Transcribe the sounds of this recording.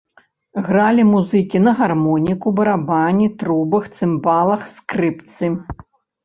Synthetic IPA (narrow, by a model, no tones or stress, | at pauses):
ɣɾalʲimuzɨkʲinɐɣarmɔnʲikubɐɾabanʲit̪ɾubɨxt̪sɨmbalˠɐxskɾɨpt̪sɨ